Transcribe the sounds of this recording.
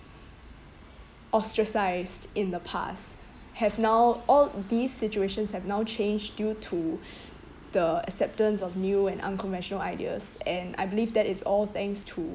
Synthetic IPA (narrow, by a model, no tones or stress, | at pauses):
ʔɔstɹəsaɪsdɪ̃nd̪əpʰa̰s | hɛvnaʊɔld̪isːɪt͡ʃueʃə̃nshɛvnaʊt͡ʃʰẽnd͡ʒdjutʰu | d̪̥əə̰ksɛp̚tə̃nsɔfnjuɛ̃nʔã̰nkʰɔ̃nvɛ̃nʃənəlaɪdiə̰sɛ̃na̰jbilivd̪ɛtɪsɔlt̪ɛ̃ŋstʰu